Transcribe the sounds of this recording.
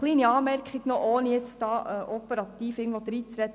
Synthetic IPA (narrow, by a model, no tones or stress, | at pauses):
liːniɑːmɛɾkχiɡ̥nɔʔoːnəjet͡sd̥ɑːʔəʔɔpəɾɑt̪iːfɪːɡŋ̩tʋod̪ɾiːt͡sɾɛt̪